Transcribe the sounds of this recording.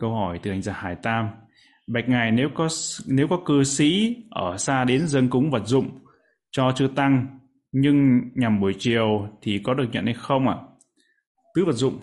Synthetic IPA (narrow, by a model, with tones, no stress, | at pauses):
kə˧whɔ˧˩jt̪ɨ˨˩a˧˩jŋzaː˧˩haː˧˩jt̪aː˧m | ɓa˨˩k̟̚ŋa˨˩jne˨˦wkɔ˨˦ne˨˦wkɔ˨˦kɨ˧sḭ˧˥ʔəː˧˩saː˧ɗe˨˦nzə˧nkʊ˨˦ŋ͡mvə˨˩t̚zʊ̰˧˨ŋ͡m | t͡ɕɔ˧t͡ɕɨ˧ət̪a˧ŋ | ɲɨ˧ŋɲa˨˩mɓu˧˩əjt͡ɕi˨˩əwt̪ʰi˨˩kɔ˨˦ɗɨ˨˩ək̚ɲə̰˧˨nha˧jxə˧wŋ͡mʔaː˧˨ | t̪ɨ˨˦və˨˩t̚zʊ̰˧˨ŋ͡m